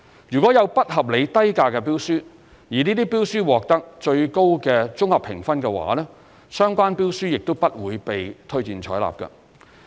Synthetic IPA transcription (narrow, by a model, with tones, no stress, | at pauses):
jyː˨˩kʷwɔː˨˥jɐ˨˧wpɐ˥t̚hɐ˨p̚le˨˧jt̪ɐ˥jkaː˧kɛː˧piː˥wsyː˥ | jiː˨˩niː˥t̪iː˥piː˥wsyː˥wɔː˨˩k̚t̪ɐ˥k̚t͡ʃɵ˧ɥko˥wkɛː˧t͡sʊ˥ŋhɐ˨pʰɪ̰˨˩ŋfɐ˥nkɛ˧wa̰ː˨˥lɛː˥ | sœː˥ŋkʷaː˥npiː˥wsyː˥jɪ˨k̚t̪o˥wpɐ˥t̚wuː˨˧jpe˨jt̪ʰɵ˥ɥt͡siː˨nt͡ʃʰɔ̰ː˨˥jla̰ː˨˩p̚kɐ̰˧